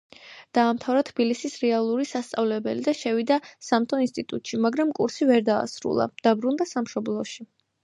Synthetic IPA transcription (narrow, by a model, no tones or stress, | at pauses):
d̪̥aːmt̪ʰavɾat̪ʰbilisisɾɛalˠuɾisast̪sʼavlɛbɛlid̪aʃɛvid̪asamt̪ʼɔinst̪ʼit̪ʼut̪ʼʃimaɡɾamkʼuɾsivɛɾd̪a̰ːsɾṵlˠa̰d̪̥abɾund̪asamʃɔblˠɔʃi